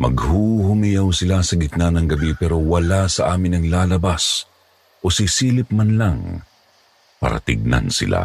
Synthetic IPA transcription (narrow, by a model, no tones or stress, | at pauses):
mɐ̰ɡhuːhʊmɪjawsɪlasɐɡɪt̪̚nanɐŋɡɐbipɛːɾowɐlasɐʔaːmɪnɐŋlaːlɐbas | ʔosisiːlɪp̚manlaŋ | pa̰ɾɐ̰t̪ɪ̰ɡ̚na̰nsɪ̰lʔa̰